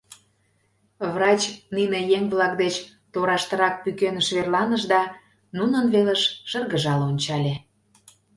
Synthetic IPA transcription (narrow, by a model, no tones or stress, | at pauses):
vrɑt͡ɕninejeŋβlɑkd̪et͡ɕ | t̪oɾɑʃt̪ə̆ɾɑk̚pykenəʃβerlɑnəʒd̪ɑ | nunənβeleʃʃə̆rɣəʒɑlonʲt͡ɕɑlʲe